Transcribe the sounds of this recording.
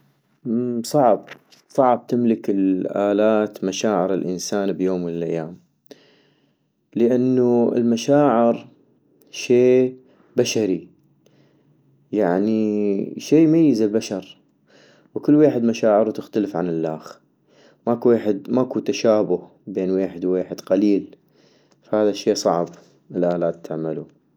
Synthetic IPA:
sˤɑʕb | sˤɑʕb̚t̪ɪmlɪkɪlʔaːlaːt̪maʃaːʕɪɾɪlʔɪ̰nsaːnbjoːmwɪlɪlʔa̰jːaːm | lɪʔanːuɪ̰lmaʃaːʕɪɾ | ʃeː | baʃaɾi | jaʕniʃiːmajːɪzɪlbaʃɑɾˤ | wkɪlːweːħɪd̪maʃaːʕɪɾut̪ɪxt̪alɪfʕanɪlːaːx | makuweːħɪd̪maʔkut̪aʃaːbʊh | beːnweːħɪd̪weːħɪd̪qaliːl | fahaːðaʃːeːsˤɑʕb | ɪlʔaːlaːt̪ːaʕmalu

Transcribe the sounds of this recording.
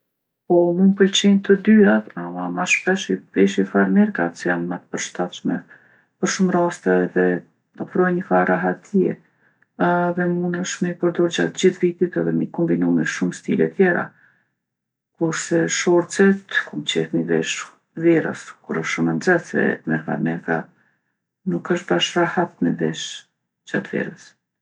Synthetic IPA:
pɔmunpəlt͡ɕint̪əd̪yat̪aamaʃpɛʃivɛʃifaɾmiɾka̰t͡sjanmat̪ə̥pəɾʃt̪at̪ʃmɛ | pəɾʃumɾast̪ɛðɛ | ɔfɾɔjɲəfaɾʔaɦat̪ʰiɛ | ðɛmunəʃmipəɾd̪ɔɾd͡ʑat̪d͡ʑiθvit̪it̪ɛðɛmikɔmbinumiʃumst̪ilɛ̰t̪ʰjɛɾa̰ | kuɾsɛʃɔɾt͡sɛt̪kumt͡ɕɛ̰hmivɛ̰ʃ | vɛɾə̰skuɾəʃʃumənd͡zɛθɛ̰mɛfa̰ɾmɛka̰ | nukəʃt̪baʃrahat̪̚mivɛ̰ʃ | d͡ʑat̪vɛ̰ɾəs

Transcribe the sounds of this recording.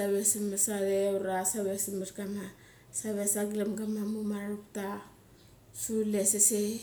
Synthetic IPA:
saβesimesaɾeuɾasaβesimetkama | saβesaɡlamɡamamumaɾaɾupta | sulesese

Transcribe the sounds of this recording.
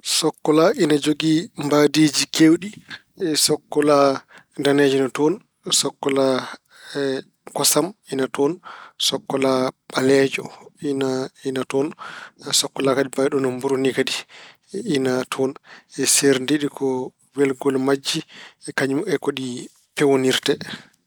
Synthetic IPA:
sɔkːɔlaʔinad͡ʒoɡimbadid͡ʒikewɗi | ɛsɔkːɔla | ndanɛd͡ʒɔnatɔn | sɔkːɔla | kɔsaminatɔnsɔkːɔlaɓalɛd͡ʒɔ̰nainatɔnsɔkːɔlakadibajɗɔnɔmbuɾunikadi | inatʰɔnɛseɾndeɗikʰɔ | wɛlɡɔlmad͡ʒːiɛkaɲumɛkoɗi | pɛwoniɾtɛ

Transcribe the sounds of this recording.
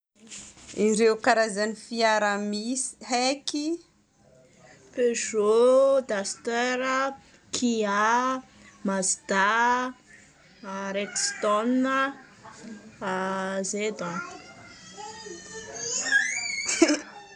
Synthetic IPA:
iɾewkaɾazanifiaɾamisi̥heki | peʒod̪ast̪ɛɾə | kʰia | mazd̪̥a | aɾekst̪ɔnːə | azed̪a

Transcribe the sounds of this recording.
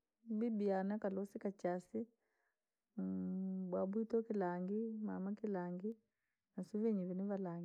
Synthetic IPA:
bibianakalɔsikat͡ʃasi | bwabwitɔkilaŋɡima̰makilaːŋɡi | nasuvɛɲiβiniβalaːŋɡ

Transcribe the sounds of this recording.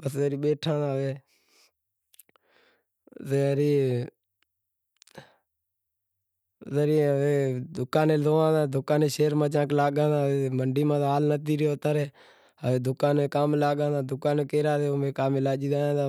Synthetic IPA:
pəsəɾiːɓeːʈʰãːd̪aːʋeː | teːəɾiː | zəɾiːʋeːd̪ʊkãːnẽːloːãːd̪ãːd̪ʱʊkãːnẽːʃeːɾmãːt͡ʃãːklaːɠãːd̪aːeːməɳɖiːmãːt̪ːaːlnət̪iːɾeoːt̪aːɾeː | əʋeːd̪ʊkaːnẽːkaːmlaːɠãːd̪aːd̪ʊkaːneːkeːɾaːt̪eːomẽːkaːmɪlaːd͡ʒiːdaːjãːd̪aː

